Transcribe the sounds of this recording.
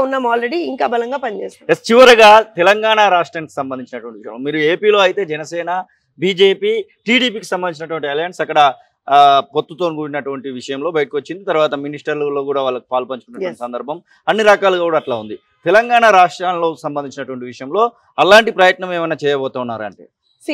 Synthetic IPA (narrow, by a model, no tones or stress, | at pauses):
nːaːmaːlɾeɽiiŋkaːbɐlɐŋɡaːpɐnit͡ʃeːsjest͡ʃiʋɐɾɐɡaːt̪ɛlɐŋɡaːɳaɾaːʂʈɾaːniki̥sɐmbɐnd̪iɲt͡ʃinɐʈuʋɐɳʈiʋiʂjɐ̰momiːɾueːpiːlo̞ːɐjit̪e̞ːd͡ʒɛnɐsɛːnɐ | biːd͡ʒe̞ːpiːʈiːɽiːpiːki̥sɐmbɐniɲt͡ʃinɐʈuʋɐɳʈiɛlajɐnsɐkːɐɽɐ | po̞t̪ːut̪onuɡuːɽinɐʈuʋɐɳʈiʋiʂɐjɐmlo̞ːbɐjɐʈikʋot͡ʃːind̪it̪ɐɾuʋaːt̪ɐminisʈɐɾlulo̞ːkuːɽaːʋaːɭːɐki̥paːlupɐɲt͡ʃukunɐʋɐɳʈisɐnd̪ɐɾbʱɐm | ɐnːiɾɐkaːluɡaːkuːɽaːʈlaːund̪i | t̪ɛlɐŋɡaːɳaɾaːʂʈɾaːnlo̞ːksɐmbɐnd̪iɲt͡ʃinɐʈuʋɐɳʈiʋiʂɐjɐmlo̞ː | ɐlaːɳʈipɾɐjɐt̪nɐmɛːʋɐjnaːt͡ʃɛːjɐbɔːt̪aːunːaːɾuɐ̰ɳʈḛː